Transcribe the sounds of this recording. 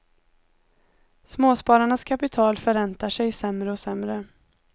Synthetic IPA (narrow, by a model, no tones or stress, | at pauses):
smoːspɑːɾaɳaskʰapɪt̪ʰɑːlfœɾɛnt̪aʂɛjsɛmɾəɔsɛmɾə